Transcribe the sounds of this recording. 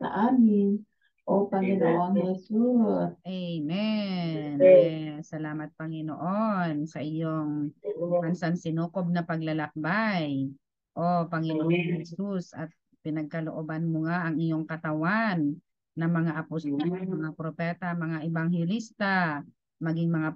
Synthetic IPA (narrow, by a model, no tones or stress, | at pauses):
sɐ̰ʔaːmɪn | ʔopɐŋɪnoaŋhɛsuʔɛjmɛ | nsɐlaːmɐt̪̚pɐŋɪnoʔonsɐʔɪjoŋmansansɪnuːkob̚nɐpɐɡlɐlɐk̚baj | ʔopɐŋɪnoʔaŋhɛsusʔɐ̰t̪̚ | pɪnɐɡ̚kɐlo̰ʔobanmoŋaʔɐŋɪjoŋkɐt̪ɐwanː | ɐŋmɐŋaʔɐpost̪olmɐŋapɾopɛːt̪amɐŋaʔɪbaŋhɛlist̪a | mɐɡiŋmɐŋa